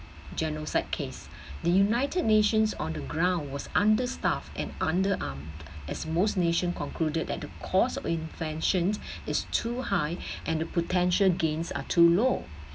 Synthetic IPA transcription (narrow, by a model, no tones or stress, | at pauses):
d͡ʒɛnɹosaɪd̚kʰes | dəjunaɪtʰəd̚neʃə̃nsɔ̰̃ndəɡɹãʊ̃ndwɔsãndəstaftɛ̰̃nãndəʔãmʔɛsmosneʃə̃nkɔ̃nkʰludəd̚dɛt̚dəkʰɔsɔfĩnvɛ̃nʃə̃nsɪstʰuhaɪʔɛ̃ndəpʰotʰɛ̃nʃəlɡẽnsa̰tʰulo